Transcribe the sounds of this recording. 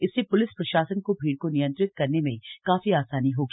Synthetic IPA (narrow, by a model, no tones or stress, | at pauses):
ɪsːepʊlɪspɾɐʃaːsənkobʱiːɽkonijə̃nt̪ɾɪt̪̚kɐɾnemẽkaːfiaːsaːniɦoːɡi